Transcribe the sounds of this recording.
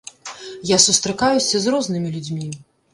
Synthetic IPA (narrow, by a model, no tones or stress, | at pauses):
jasust̪ɾɐkajusʲɐzɾɔznɨmʲilʲud͡zʲmʲi